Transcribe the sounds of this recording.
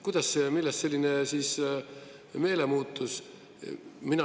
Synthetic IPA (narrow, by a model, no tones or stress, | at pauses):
kujd̪̥ɑsːemilːɛst̪se̞lʲːinesiːs | me̞ːlemuːt̪ːˑus | minɑ